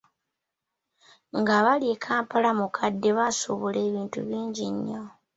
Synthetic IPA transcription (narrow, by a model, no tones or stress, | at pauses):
ŋɡaβaljekʰaːmpalamukʰadːe̞βasuβule̞ːβiːntṵβiːɲɟiɲːo